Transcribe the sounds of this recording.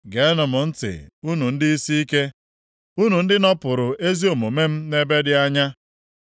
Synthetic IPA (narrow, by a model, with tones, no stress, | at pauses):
ɡe˨˦nʊ˨mʊ˨n̩˦tɪ̰˨u˦nu˨n̩˦dɪ˦i˦si˦i˦ke˦ | u˦nu˨n̩˦dɪ˦nɔ˦pʊ˨ɾʊ˨ʔe˦zi˦o˨mo˨me˦m̩˦ne˦be˦dɪ˦a˦ɲa˦